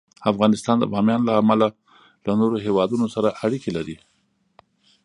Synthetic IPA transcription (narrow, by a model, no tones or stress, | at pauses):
afɣɑnɪst̪ɑnd̪ə̰bɑmjɑnlaːmala | lanoɾoɦewɑd̪unosaɾaʔaɽikelaɾi